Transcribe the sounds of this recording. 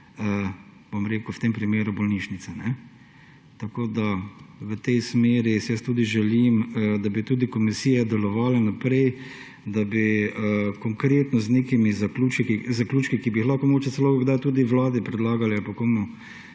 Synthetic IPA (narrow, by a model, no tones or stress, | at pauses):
ə | b̥omɾeːkʊwt̪empɾimeːɾʊbɔlniːʃnit̪sɛnɛ | t̪akoːd̪aʋət̪ɛjsmeːɾisɛjəst̪uːd̪iʒɛliməd̪abit̪uːd̪ikɔmisiːjɛd̪ɛlɔʋaːlɛnapɾɛj | d̪abiəkɔŋkɾeːt̪nɔzneːkimizaklut͡ʃkikizaklʲuːt͡ʃkikibixlaxkomoɡoːt͡ʃɛsɛlokoɡd̪ajt̪uːd̪iʋlaːd̪ipɾɛd̪laːɡalɛalpakomɔ